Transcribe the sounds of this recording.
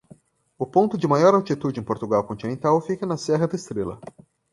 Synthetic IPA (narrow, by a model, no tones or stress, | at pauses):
ʊpõnt̪ʊd͡ʒɪmajɔɾawt͡ʃit̪ud͡ʒɪẽpoɾt̪uɡawkõnt͡ʃinẽnt̪awfikɐnɐsɛɦɐd̪ɐɪst̪ɾelɐ̰